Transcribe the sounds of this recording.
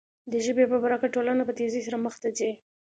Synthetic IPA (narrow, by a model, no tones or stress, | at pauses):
d̪əʒəbepəbaɾɑkaʈolanapət̪ezisaɾaməxt̪at͡se